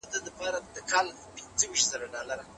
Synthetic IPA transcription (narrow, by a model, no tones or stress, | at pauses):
d̪ad̪əpɑɾad̪əkɑl | pind͡zəwiʃt̪z̥aɾaɖɑlaɾa